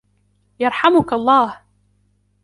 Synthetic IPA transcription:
jɑɾˤħamʊkɑlˤːɑːh

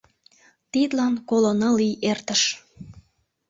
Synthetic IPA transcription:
t̪id̪lɑnkolonɤliert̪əʃ

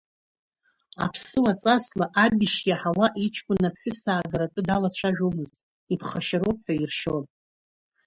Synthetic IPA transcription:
a̰pʰsɨwat͡sʼaslaʔabʲiʃʲaħawaʔit͡ʃʰkʷʼʊnːapʰħʷᶣʊsaːɡaɾatʷʼʊdalat͡ɕʷʰaʒᶣo̞mɨzt | ipʰχaʃaɾo̞p̚ʰʼħʷᶣairʃon

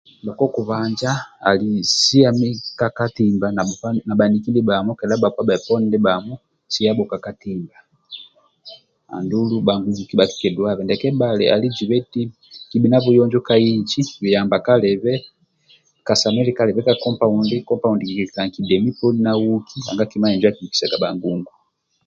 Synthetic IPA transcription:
bakɔkuβaɲd͡ʒaa̰lisiamikakatimbananabanikildibamɔkɛlabapwabaɛpɔnidɛbamɔ | siabɔkakatimba | a̰ndulubaŋɡud͡ʒukibaki̥kɛduaβɛndɛkɛbalɛ̰ʔa̰lid͡ʒiβɛti | kibinaβujɔɲd͡ʒɔkaiɲt͡ʃiwijambakalɛβɛ | kasamɛlikalɛβɛkakɔmpaundikɔmpaundikikɛkaŋkidɛmipɔninawukiha̰ŋɡakimaɛɲd͡ʒwakiiki̥saɡabaŋɡuŋɡu

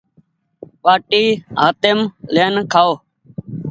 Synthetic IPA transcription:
ɓaːʈiːɦaːt̪ɪmleːnkʰaːoː

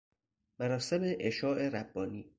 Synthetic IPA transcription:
mæɾɒːsemeʔeʃɒːʔe̞ɾæbːɒːniː

